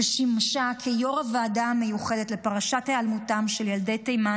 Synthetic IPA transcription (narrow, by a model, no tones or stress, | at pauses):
ʃimʃakʰejo̞ʁavːdamejuχedetlepaʁaʃathealmutamʃeljaldejtejma